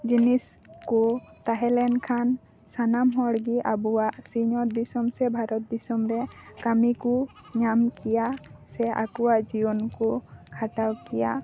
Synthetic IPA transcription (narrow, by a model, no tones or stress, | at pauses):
d͡ʒinis | kɔt̪aɦɛlɛnkʰan | sanamɦɔɽɡiʔabuwaʔsiɲɔɾd̪isɔmsɛbʱaɾɔt̪̚d̪isɔmɾɛkamiku | ɲamkijasɛʔa̰kɔwaʔd͡ʒibɔnkukʰaʈawkija